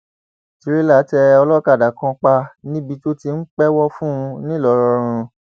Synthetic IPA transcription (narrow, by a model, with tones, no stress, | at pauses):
ti˨˧ɾi˦la˦tɛ˧ɔ˧lɔ˦ka˦˨da˨˦kɔ̃˧k͡pa˧nĩ˦bi˧to˦ti˧n̩˦k͡pɛ˦wɔ˦fũ˦˧nĩ˦˨lɔ˨˦ɾɔ˧ɾ̃ũ˧